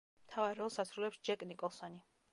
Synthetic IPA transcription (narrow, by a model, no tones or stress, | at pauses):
mt̪ʰavaɾɛɔsat̪sʰɾulɛpsd͡ʒɛkʼnikʼɔlˠsɔni